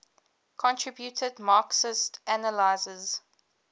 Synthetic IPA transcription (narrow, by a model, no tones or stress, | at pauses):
kʰɔ̃ntʰɹ̥ɪbjutʰədmɑːksɪstænəlaɪzəz